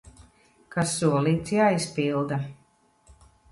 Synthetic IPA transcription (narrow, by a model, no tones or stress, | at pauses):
kasːuɔlˠiːt̪sjaːispilˠd̪a